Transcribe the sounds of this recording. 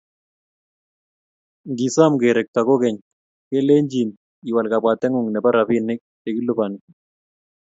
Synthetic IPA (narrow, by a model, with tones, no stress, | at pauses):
ŋɡi˨sa˦mɡe˨ɾɛ˨k̚ta˨ko˦kɛ˨ɲ | kɛ˦lɛ˦ɲd͡ʒi˨n | i˨wa˨lka˨bwa˨t̪ːɛ˦ŋʊ˦˨ŋnɛ˨pa˦ɾa˨fi˦nɪ˦k̚ | ɛ˨ki˦lʊ˦pa˨nɪ˨